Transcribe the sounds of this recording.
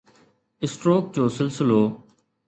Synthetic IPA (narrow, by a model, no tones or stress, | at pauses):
ɪsʈɾoːk̚d͡ʑoːsɪlsɪloː